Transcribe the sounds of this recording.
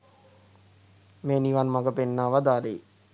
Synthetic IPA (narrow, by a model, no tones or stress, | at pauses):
meːniʋanmaɡəpenːaːʋad̪aːle